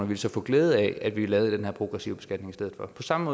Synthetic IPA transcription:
nɐʋi̝ləsɒ̽fɔ̽ɡ̥leːð̞̩ˠɛæd̥ʋilɛːʊð̩ˠd̥enɦæɐ̰pʰʁo̝ɡ̥ʁɛsiʊb̥e̝sɡ̥æd̥ne̝ŋisdeð̞̩ˠfɒ̽pʰɒ̽sɑ̈məmɔ̽ː

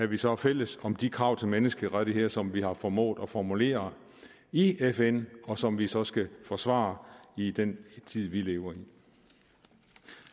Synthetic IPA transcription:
æɐʋisɒ̽fel̰əsɒ̽md̥ikʰʁɑ̈ʊ̰t͡sʰe̝menəsɡ̥əʁaɾ̥əɦeɐ̰sɒ̽mʋihɑ̈fɒmɔ̰ːðˠɒ̽fɒmule̝̰ːɐ | iefenɒ̽sɒ̽mʋisɒ̽sɡ̥æfɒ̽sʋɑ̰̈ːid̥ent͡sʰið̰ˠʋile̝ːʊɐi

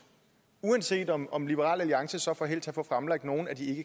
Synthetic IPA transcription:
uænse̝̰ːd̥ɒmɒ̽mlib̥əʁɑ̰̈ːlæliɑ̈ŋsəsɒ̽fɒ̽ɦe̝l̰t͡sʰæfɔfʁamlɑ̈ɡ̥̚d̥no̝ːn̩æd̥ie̝ɡ̥ə

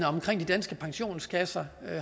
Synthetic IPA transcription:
nəɒ̽mkʰʁeŋ̰d̥id̥ænsɡ̥əpʰɑ̈ŋɕo̝̰ːnskʰæsɐ

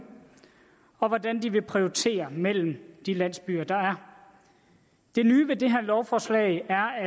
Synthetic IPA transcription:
ɒ̽ʋɒdænd̥iʋe̝pʰʁioit͡sʰe̝̰ːɐmel̰m̩d̥ilæn̰sb̥yːɐd̥ɑ̈æɐ | d̥e̝nyːʋe̝d̥e̝ɦæɐlɒʊfɒːslɛ̰ɪæɐæ

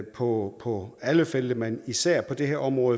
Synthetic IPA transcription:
pʰɒ̽pʰɒ̽æləfeld̥əmænisæɐ̰pʰɒ̽d̥e̝ɦeɐ̰ɒ̽mʁɔ̽ːð̩ˠ

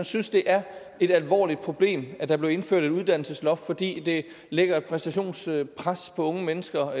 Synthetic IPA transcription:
ænsynsd̥e̝ʔæɐ | e̝ɾ̥ælʋɒ̰ːlid̥̚pʰʁo̝b̥le̝̰ːmæd̥ɑ̈b̥le̝ʊe̝nfø̰ɐ̰̥e̝duðˠd̥æn̰l̩səslɒ̽ffɒ̽d̥ḭːd̥e̝ | leɡ̥ɐed̥̚pʰʁɛsd̥æɕo̝̰ːnspʰʁaspʰɒ̽ɔ̽ŋəmenəsɡ̥ɐ

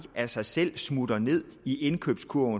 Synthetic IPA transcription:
æsɑ̈ɪsel̰smud̥ɐne̝ð̰ˠiʔe̝nkʰø̰b̥skʰuɐ̰

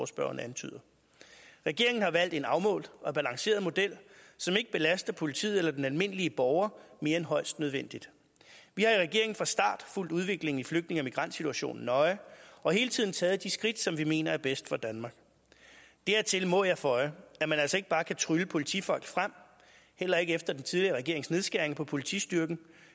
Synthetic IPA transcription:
sb̥ɶɐɐnəænt͡sʰy̰ːð̰ˠɐ | ʁɛɡ̥e̝ɐe̝ŋn̩hɑ̈ʋæl̰d̥e̝nɑ̈ʊmɔ̰̽ːldɒ̽æb̥ælɑ̈ŋse̝̰ːɐð̩ˠmo̝d̥el̰sɒ̽me̝ɡ̥əb̥e̝læsd̥ɐpʰo̝lit͡sʰḭð̰ˠelɐd̥enælme̝n̰əliəb̥ɒʊɐme̝ːɐenɦɒ̽ɪsd̥nøð̞ˠʋen̰d̥id̥ | ʋihɑ̈iʁɛɡ̥e̝ɐɪŋn̩fʁɑ̈sd̥ɑ̰̈ːd̥ful̰d̥uðˠʋe̝ɡ̥le̝ŋ̩ifløɡ̥d̥ne̝ŋæmiɡ̥ʁɑ̈n̰d̥sit͡sʰuæɕo̝̰ːn̩ːɒ̽ɪɒ̽he̝ːlət͡sʰið̰ˠn̩t͡sʰɛːð̩ˠd̥isɡ̥ʁid̥sɒ̽mʋime̝̰ːnɐæɐb̥esd̥fɒ̽d̥ænmɑ̈ːɡ̥ | d̥æɐ̰t͡sʰe̝lmɔjɑ̈ɪfɒ̽ɪæmænæl̰sɒe̝ɡ̥əb̥ɑ̈ːkʰæt͡sʰʁyləpʰo̝lit͡sʰḭfɒ̽l̰ɡ̥fʁam̰ | hel̰ɐe̝ɡ̥əefd̥ɐd̥ent͡sʰið̞ˠliɐʁɛɡ̥e̝ɐe̝ŋsne̝ð̞ˠsɡ̥æɐ̰e̝ŋpʰɒ̽pʰo̝lit͡sʰḭsd̥yɐɡ̥n̩

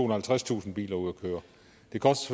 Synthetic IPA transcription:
o̰ːnɐhælt͡sʰʁast͡sʰṵːsn̩b̥ḭːlɐuð̰ˠɒkʰøːɐ | d̥e̝kʰɒ̽sd̥sf

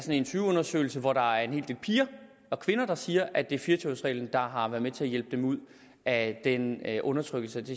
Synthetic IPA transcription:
sɒ̽ne̝nt͡sʰyːɔ̽nɐsø̰ːɪl̩səʋɒɾ̥ɑ̈æɐenɦe̝ːld̥e̝ːlpʰiːɐ | ɒ̽kʰʋe̝nɐd̥ɑ̈siːɐʔæd̥e̝ɐfiɐt͡sʰosʁɛ̰ːln̩d̥ɑ̈ɦɑ̈ʋæɐðˠmet͡sʰe̝æɐjel̰b̥̚d̥emuð̞̰ˠ | ʔæd̥enʔɔ̽nɐt͡sʰʁœɡ̥l̩səd̥e̝

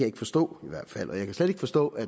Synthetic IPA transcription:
æjɑ̈eɡ̥əfɒ̽sd̥ɔ̰̽ːiʋæɐ̰d̥fæl̰ʔɒjɑ̈kʰæsled̥e̝ɡ̥əfɒ̽sd̥ɔ̰̽ːæ

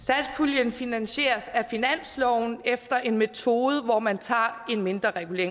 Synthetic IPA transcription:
sæ̥spʰuljənfinænɕe̝̰ːɐsæfinæn̰slɒʊn̩efd̥ɐʔe̝nme̝t͡sʰo̝ːð̞̩ˠəʋɒmænt͡sʰɑ̈ːe̝nme̝nd̥ʁɐʁɛɡ̥ule̝̰ɐ̰

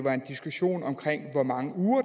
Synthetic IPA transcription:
ʋɑ̈e̝nd̥isɡ̥uɕo̝̰ːnɒ̽mkʰʁeŋ̰ʋɒmɑ̈ŋəuːɐ

